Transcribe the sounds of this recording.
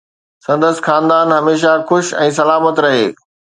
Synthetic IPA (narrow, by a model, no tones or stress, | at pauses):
sɐ̃nd̪əs̆xaːnd̪aːnɦɐmeːʃ̬axʊʃɛ̃ːs̬ɐlaːmət̪ɾɐɦḛː